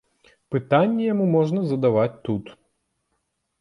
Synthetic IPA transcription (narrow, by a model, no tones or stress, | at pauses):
pɨt̪anʲːɛjamumɔʐnɐzɐd̪avat͡sʲt̪ut̪